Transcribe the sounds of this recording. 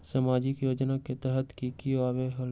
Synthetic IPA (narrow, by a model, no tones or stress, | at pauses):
saːmaːd͡ʒɪkjoːd͡ʒnaket̪ɛɦət̪kikiʋaːʋeɦɐ